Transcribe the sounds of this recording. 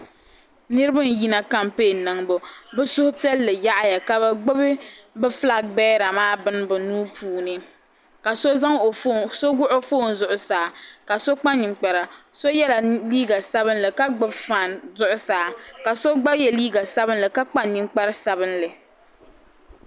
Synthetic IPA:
nɨ˦ɾɨ˦bɨ˦n˨ji˦na˨ka˦mpeː˦˨nɨ˨ŋbʊ˨bɛ˦sʊ˦hʊ˦pi˦ɛ˦lːɨ˨ja˦ʔa˦ja˨ka˨ba˦ɡ͡bɨ˦bɪ˦bɛ˦fla˦k̚ɡ͡bɛː˦ɾa˨maː˦bɨ˦n˦bʊ˨nuː˦pʰuː˨nɨ˦ | ka˨so˦za˦ŋ˨so˦ɡʊ˦ʔʊ˦foː˦˨n˨zʊ˦ʔʊ˨saː˨ka˨so˦k͡pa˦nːi˨ŋ͡mk͡pa˨ɾa˨so˦jɛ˦la˨liː˦ɡa˨sa˦bɨ˦nlɨ˨ka˦ɡ͡bɨ˦bfa˨nzʊ˦ʔʊ˦saː˨ka˨so˦ɡ͡ba˦jɛ˨liː˦ɡa˨sa˦bɨ˦nlɨ˨ka˦k͡pa˦ɲi˨ŋ͡mk͡pa˦ɾsa˦bɨ˦nlɨ˨

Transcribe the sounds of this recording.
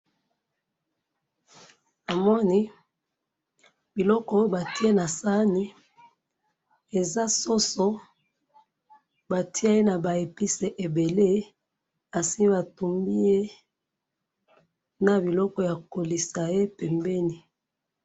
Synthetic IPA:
a˨mɔ˦ni˦ | bi˨lɔ˦kɔ˦o˦o˦ba˨ti˦e˦na˨sa˦ni˦ | e˨za˦so˦so˦ | ba˨tʰi˦a˦e˦na˨ba˨e˨pi˦se˨ʔe˨be˨le˦ | a˨si˦ba˨tu˨mbi˦je˦ | na˨bi˨lɔ˦kɔ˦ja˨ko˨li˨sa˨je˦pɛ˨mbɛ˦ni˨

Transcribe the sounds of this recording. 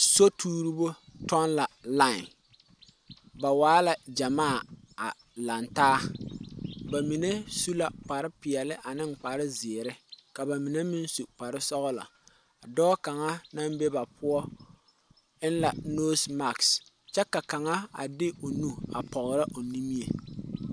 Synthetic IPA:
so˦tʰuː˦ɾi˦bo˦tɔ˦nla˨la˦ɪ˨n | ba˨waː˦la˨d͡ʒa˨maː˦˨ | a̰˨ | la˨ntaː˦ | ba˨mi˨ne˦su˦la˨k͡pa˨ɾɪ˦pɪ˨ɛ˨lɪ˦ʔa˨nɪ˦ŋ˨k͡pa˨ɾɪ˦zɪ˨ɾɪ˦ka˨ba˨mi˨ne˦mɪ˦nsu˨k͡pa˨ɾɪ˦sɔ˦ɣɔ˦la̰˨ | dɔː˦ka˨ŋa˦na˦m˦be˦ba˨pʰʊ˦ɔ˦ | ɪ˦n˦la˨noː˦sma˨ks | t͡ʃɛ˦ka˨ka˨ŋa˦a̰˨dɪ˦o˨nu˦a̰˨pɔ˨ɣɾɪ˦ʔo˨ni˦mi˦ḛ˨

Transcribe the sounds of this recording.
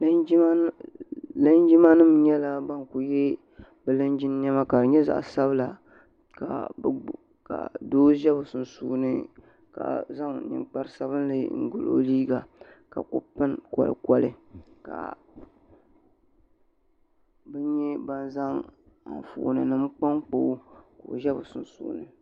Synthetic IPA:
lɨ˦nd͡ʒi˦ma˦nɨ˦mɲɛ˦la˦ba˦nku˨jɛ˦ | bɨ˨lɨ˦nd͡ʒɪ˦n˦ɲɛ˦ma˦ka˨ɲɛ˦za̰˨ʔsa˦bɨ˦la˨ | ka̰˨˦ | ka̰˨doː˦ʒɛ˦bʊ˨sɨ˨n˨suː˨˦nɨ˦ | ka̰˨za˦ŋnɨ̰˨ŋk͡pa˦ɾsa˦βɨ˦n˦lɨ˨ŋ̩˨ɡʊ˨lo̰˨˦liː˦ɡa˨ka̰˨kʊ̰˦pɨ˦nkɔ̰˨lɨ̰˨kɔ˨lɨ˦ | ka̰˨ | bɛ˦ɲɛ˦ba˦nza˦ŋ | a̰˨fṵ˨nɨ˨nɨ˦m˦k͡pa˦ŋk͡po˦ko˨ʒɛ˦bʊ˨sʊ˨n˨sṵː˨˦nɨ˨

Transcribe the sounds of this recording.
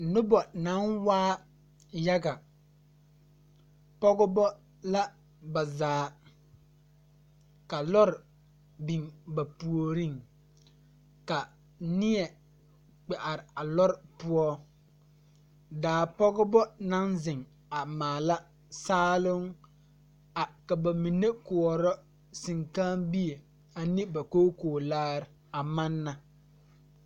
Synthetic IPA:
nʊ˦bɔ˨na˨˦nwaː˦ | ja˦ɡa˨ | pɔ˦ɡʊ˦bɔ˦ | la˦ | ba˨zaː˨˦ | ka˨lɔ˦ɾɪ˨ | bi˨ŋba˨pu˨o˨ɾi˦˨ŋ | ka˨ | nɪ˦ɛ˨ | k͡pɛ˨ʔa˨ɾɪ˨a˨lɔ˦ɾɪ˨pʊ˦ɔ˦ | daː˨pɔ˦ɣɔ˦bɔ˦na˦nzɪ˨ŋ | a˨maː˨la˦ | saː˦lʊ˦ŋ | a˨ka˨ba˨mi˨ne˦ku˨ɔ˨ɾɔ˦ | sɪ˨ŋka˦nbi˦e˨ | a˨nɪ˦ba˨koː˦koː˨laː˦ɾɪ˨ | a˨ma˦nːa˨

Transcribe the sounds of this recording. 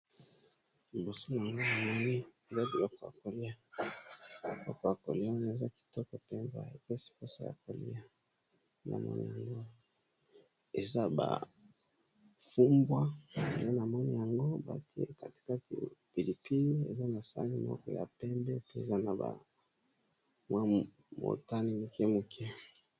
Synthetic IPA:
bo˨so˦n˨a˨ŋɡo˦na˨mɔ˦ni˦e˨za˦bi˨lo˦kɔ˨ja̰˨ko˨li˦a˦˨ | lo˦kɔ˨ja˨ko̰˨li˦a˦n˨e˨za˦ki̥˨tɔ˦kɔ˨pɛ˦nza̰˨ḛ˨kɛ˦si̥˨ko˦sa˨ja̰˨ko˨lḭ˦a˨ | na̰˨mɔ̰˦nḭ˨ja˨ŋɡo˦ | e˨za˦ba̰˨ | fu˦mbwa˦˨e˦na˨mɔ˦ni˨ja˨ŋɡo˦ba̰˨ti˦ḛ˦ka˨ti̥˨ka˦ti˨pi˨li˨pi˦li˦ḛ˨za˦na˨sa̰˦li˦˨mɔ̰˦kɔ̰˨ja̰˨pɛ˦mbɛ˦pi˦e˨za˦na˨ba̰˨ | mwa˦ | mo̰˨ta˦ni˦mu˨kɛ˦mu˨kʰɛ˦

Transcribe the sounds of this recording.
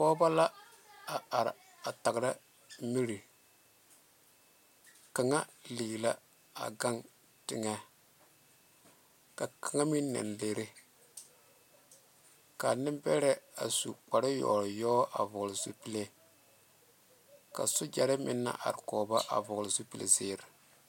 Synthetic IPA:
kɔː˦ba˦la˦ | a˨a˨ɾ | a˨ta˨ɡɾa˦ | mi˦ɾi˨ | ka˨ŋa˦liː˨ɡla˦ | a̰˨ɡa˦ŋ | tɪ˨ŋɛ˦ | ka˨ka˨ŋa˦mi˦nː˦ɛ̰˨nle˨ɾe˦ | ka˨nɪ˦m˦bɛ˦ɾɛ˦a̰˨sṵ˨k͡pa˨ɾɪ˦jɔ̰˨ɾjɔː˦ʔa˨vʊ˨ɣlɪ˨zu˦pi˦le˦ | ka̰˨sʊ˦d͡ʒa˨ɾɪ˦mɪ̰˦nːa̰˦ʔa̰˨ɾkɔː˨ba˦ʔa̰˨vʊ˨ɣlɪ˨zu˦pi˨lḛ˨zɪː˦ɾɪ˨

